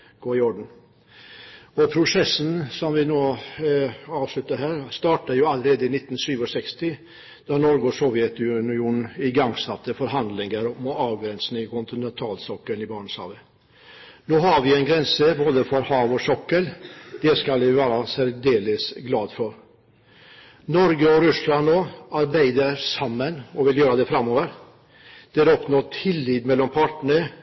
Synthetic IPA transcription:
ɡ̥oːɪɔɖɳ̩ | ɔpʰɾʊsɛsn̩sɔmʋɪnoː | ɑːʋslʉt̪əɾɦæːɾst̪ɑːʈəjʊːɑləɾeːd̪əɪnɪt̪ːnsyːʋɔsɛkst̪ɪ | d̪̥ɑnɔɾɡɔsɔʋjɛt̪ʉnɪuːnn̩ɪɡɑŋsɑt̪ːəfɔɾɦɑnd̪lɪŋəɾmɔʔɑːʋɡɾɛnsn̩ɪkʰʊnt̪ɪnɛnt̪ʰɑːlsɔkːəlnɪbɑːɳəshɑ̰ːʋə | noːhɑɾʋɪɛnɡɾɛnsəboːd̪əfɔɾhɑːʋɔsɔkːəld̪̥ɛskɑlʋɪʋæːɾɑsæɾd̪eːləsɡlɑːd̪fɔɾ | nɔɾɡəɔɾʉslɑnd̪oːɑɾbæɪd̪əɾsɑmːənɔʋɪljøːɾɑd̪ɛfɾɑmoːʋəɾ | d̪̥ɛæɾɔpnɔt̪ʰɪlːiːd̪mɛlːɔmpʰɑːʈɳəɳə

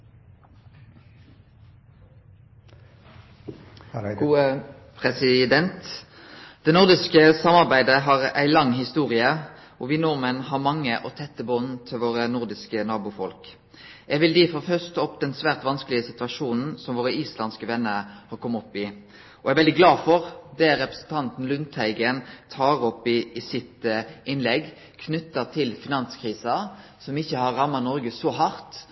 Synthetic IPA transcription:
ɡuːə | pʰʁɛsɪd̪ɛnt̪ | d̪̥ɛnʊʁd̪ɪskəsɑmɑʁbæɪd̪əɦɑːʁæ̰ɪlɑŋhɪst̪uːʁɪə | ʔɔːʋɪːnuːmənɦɑʁmɑŋːəʔot̪ʰɛt̪ːəbɔnt̪ʰɪlʋoːʁənʊʁd̪ɪskənɑːbʊfɔlk | ɛɡʋɪld̪iːfɔɾfœʁst̪ʰɑːɔpːd̪ɛnsʋæːʁt̪ʋɑnskəlɪəsɪt̪ʉɑʂuːnn̩sɔmʋoːɾəiːslɑnskəʋɛnːəɾhɑɾkʰɔmːɔpːɪ | ɔɛʋɛld̪ɪɡlɑːfɔɾd̪ɛæɾɛpɾə̥sn̩t̪ʰɑnt̪n̩lʉnt̪ʰæɪɡənt̪ʰɑːʁɔpɪːsɪt̪ʔɪnlɛɡ | kʰnʏt̪ːət̪ʰɪlfɪnɑnskʰʁiːsɑsɔmɪçːəhɑɾɑmːɑnɔɾɡəsɔɦɑɾt̪

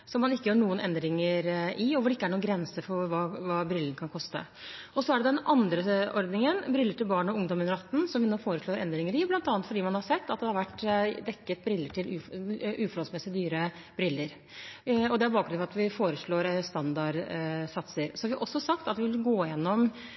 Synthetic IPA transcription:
sɔmːɑnɪkːəjøːɳuːənʔɛnd̪ɾɪŋəɾʔɪɔʋʊɖɛɪkːəæɳuːɡɾɛnsəfɔɾʋɑːʋɑːbɾɪlːənkʰɑnkʰɔst̪ə̰ | ɔsɔæɖɛd̪ɛnɑnd̪ɾəɔɾd̪nɪŋənbɾɪlːəʈɪlbɑːɳɔʊŋd̪ɔmɛnəɾɑt̪n̩sɔmʋɪnoːfoːɾəʂɭoːɾɛ̰nd̪ɾɪŋəɾɪblɑnt̪ɑːnt̪fɔɖiːmɑnhɑɾsɛt̪ːɑt̪̚d̪ɛhɑɾʋæʈːd̪ɛkːət̪̚bɾɪlːəʈʰɪlʉʉːfɔɾhɔlsmɛsːɪd̪yːɾə | bɾɪlːəɾ | ɔd̪ɛæɾbɑːɡkɡɾʉnɑʋɑt̪ʋɪfoːɾəʂɭoːɾst̪ɑnd̪ɑɾsɑt̪səɾsɔhɑʋɪʔɔsːɔsɑkt̪ɑt̪ʋɪʋɪlɡoːjɛnːɔm

